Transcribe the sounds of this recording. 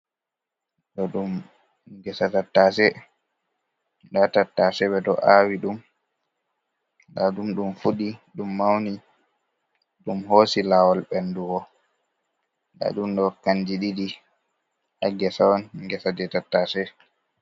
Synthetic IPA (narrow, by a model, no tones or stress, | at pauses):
ɗɔɗum | ɡɛsatatːasɛ | datatːasɛɓɛdɔʔawiɗum | naɗumɗumfuɗiɗumːawni | ɗumhoːsilawɔlbɛnduɡɔ | da̰ɗumɗɔkand͡ʒiɗidi | aɡɛsawɔnɡɛsad͡ʒɛtatːaːsɛ